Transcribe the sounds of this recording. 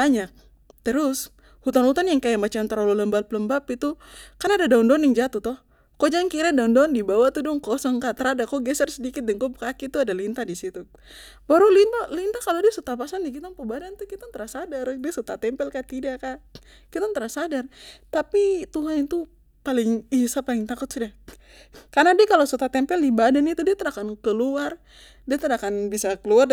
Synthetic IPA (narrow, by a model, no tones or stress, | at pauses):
baɲak̚ | t̪əɾʊs | hut̪anhut̪anjaŋkajamat͡ʃant̪əɾolɔləmbapləmbapit̪ukanadadaundanjaŋd͡ʒat̪uht̪ɔh | kod͡ʒaŋkiɾadaundaɔndibawat̪udʊŋkɔsɔŋkat̪əɾadakoɡɛsərsədikɪt̪̚dɛŋkobkakit̪uadalint̪adisit̪u | baɾulint̪alint̪akalodiasut̪apasandikit̪aŋpəbadant̪ukit̪ant̪əɾasadardiasut̪at̪ɛmpɛlkat̪idaka | kit̪ant̪əɾasadart̪apit̪uɦanit̪u | palɪŋisapalɪŋt̪akʊt̪suda | karnadiakalosut̪at̪ɛmpɛlibadanit̪udiat̪əɾakankəluar | diat̪əɾakanbisakəluar